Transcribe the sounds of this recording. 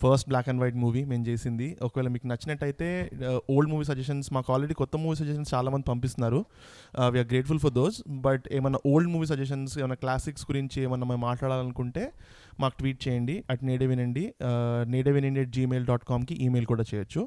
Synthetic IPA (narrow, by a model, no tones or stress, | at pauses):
pʰɐɾsʈ̚blaːkɐɳɖʋɐjʈmuːʋime̞ːmt͡ʃeːsind̪iɔkɐʋɛːlɐmiːkunɐt͡ʃːinɐʈːɐjit̪e̞ːo̞ːlɖmuːʋiːs̬ɐd͡ʒɛʂ̬ɐnsmaːkaːlɾeɽiːkɔt̪ːɐmːuːʋiːsɐd͡ʒɛʃ̬ɐnst͡ʃaːlaːmɐnd̪ipɐmpist̪unːaːɾu | ʋiːaːɾɡɾe̞ːʈ̚fulpʰɔɾd̪o̞ːzbɐʈeːmɐnːɐʔoːlɖmuːʋiːs̬ɐd͡ʒɛʂ̬ɐnseːmɐnːɐklaːsiksɡuɾiɲt͡ʃieːmɐnːɐmɐmaːʈlaːɽaːlɐnukuɳʈe̞ː | maːku̥ʈʋiːʈ̚t͡ʃɛːjɐɳɖiɛʈneːɖeʋinɐɳɖineːɖeʋineɳɖieʈ̚d͡ʒiːmeːlɖaːʈkaːmkiʔiːmeːlkuːɽaːt͡ʃɛːjɐt͡ʃːu